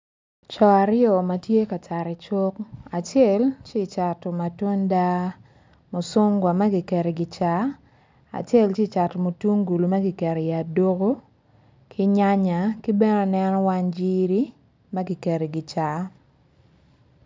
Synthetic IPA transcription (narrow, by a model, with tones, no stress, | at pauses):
t͡ʃɔ˨a˨ɾɪ˦ɔ˨ma˨tje˦ka˨t͡ʃa˨ɾɪ˨t͡ʃo˦ka˨t͡ʃɛ˦˨lt͡ʃe˦˨t͡ʃa˨tɔ˨ma˨to˦nda˦ | mo˨so˦ŋɡwa˨ma˦ɡɪ˨kɛ˨ɾe˨ɡɪ˨t͡ʃa˨˦ | a̰˨t͡ʃe˦lt͡ʃe˦˨t͡ʃa˨tɔ˨mo˨tu˦ŋɡu˨lu˨ma˦ɡɪ˨kɛ˨ɾe˨i˨a˨do˦ɡo˦ | kʰi˦ɲa˦ɲa˨ki˦bɛ˦nɔ˦nɛ˦nɔ˦wa˦nd͡ʒi˦ɾi˦ | ma˦ɡɪ˨ke˨ɾe˨ɡɪ˨t͡ʃa˨